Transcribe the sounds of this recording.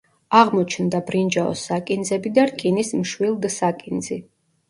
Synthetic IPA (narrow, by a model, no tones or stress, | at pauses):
aʁmɔt͡ʃʰnd̪abɾind͡ʒaɔ̰sːakʼind̪zɛbid̪aɾkʼinismʃwilˠd̪sakʼind̪zi